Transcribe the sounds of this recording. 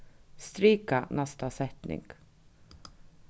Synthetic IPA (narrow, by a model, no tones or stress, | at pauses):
st̪ɾiːkanʔæst̪asɛt̪nɪ̰ŋɡ̥